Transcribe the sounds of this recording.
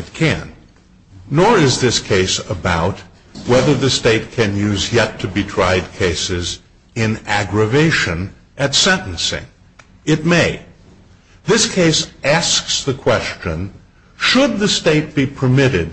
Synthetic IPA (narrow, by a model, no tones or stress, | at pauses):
ɨt̚kʰɨ̰̃nː | əɹɪzðɪskʰeɪsəbaʊt̚ | wɛðə˞ðɨsteɪt̚kʰɨ̃njʉzjɛtʰɨbitʰɹ̥aɪd̚kʰeɪsɪz | ɪ̃næɡɹɨveɪʃɨ̃n | ʔɨtsɛ̃nʔn̩sɪ̰̃ŋ | ɨt̚meɪ | ðɪskʰeɪsæsksðɨkʰw̥ɛst͡ʃɨ̃n | ʃəd̪̚ðɨsteɪt̚b̥ipʰə˞mɪɾɪd̚